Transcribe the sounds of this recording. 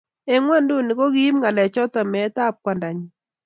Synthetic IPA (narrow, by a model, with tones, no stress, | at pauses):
e˦ŋwa˦ndu˦ni˨ko˦ki˦mŋa˨lɛ˨t͡ʃɔ˦ta˨mɛ˨˦ta˦˨p̚kwa˨nda˨ɲi˦˨